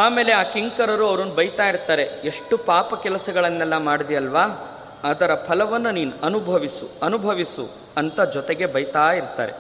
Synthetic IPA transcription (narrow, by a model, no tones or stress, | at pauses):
aːmeːle̞aːkiŋkɐɾɐɾuɐʋɾɐnːubɐjt̪aːjiɾt̪ːaːɾe̞eʂʈupaːpɐkɛlɐsɐɡɐɭɐnːɛlːɐmaːɽd̪ijɐlʋaː | ɐd̪ɐɾɐpʰɐlɐʋɐnːuniːnuɐnubʱɐʋisuɐnubʱɐʋisṵ | ɐnt̪ɐd͡ʒɔt̪eɡe̞bɐjt̪aːjiɾt̪a̰ːɾe̞̰